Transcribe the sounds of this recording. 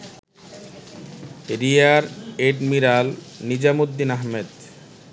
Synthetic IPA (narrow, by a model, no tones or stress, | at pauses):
ɾiaɾeʈmiɾalnid͡ʑamod̪ːinaɦmed̪